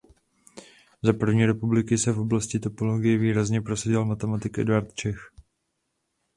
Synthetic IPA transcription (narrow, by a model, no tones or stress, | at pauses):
zapr̩vɲiːɾɛpublɪkɪsɛfʔo̞blascɪt̪o̞po̞loɡɪjɛviːɾazɲɛpɾo̞saɟɪlmat̪ɛmat̪ɪkʔɛ̰dvaɾt̪t͡ʃɛx